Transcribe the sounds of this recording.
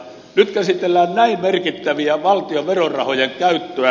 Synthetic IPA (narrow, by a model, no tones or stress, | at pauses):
nyt̪kæsit̪elːæːnnæimmerkit̪ːæʋiæʋɑlt̪ioʋerorɑhojeŋkæyt̪ːøæ